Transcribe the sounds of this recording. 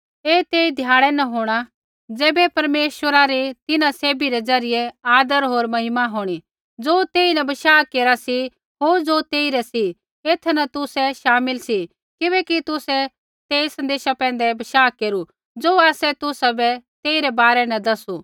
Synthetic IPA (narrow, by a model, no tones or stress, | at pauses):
eːt̪eːid̪ʱjaːɽ̃ɛnɐɦoːɽ̃a | d͡zɛːbɛpɐɾmeːʃwəɾaɾit̪ɪnãseːbiɾɛd͡zɐɾɪjɛaːd̪əɾɦoːɾmɐɦɪmaɦoːɽ̃i | d͡zoːt̪eːinɐbɐʃaːkeːɾasi | ɦoːɾd͡zoːt̪eːiɾɛsi | eːt̪ʰnɐt̪ʊsɛʃaːmɪlsi | kɪβɛːkit̪ʊsɛ | t̪eːisɐ̃nd̪eːʃapɛ̃ːn̆d̪ɛbɐʃaːkeːɾu | d͡zoːaːsɛt̪ʊsabɛt̪eːiɾɛbaːɾɛnɐd̪ɐsu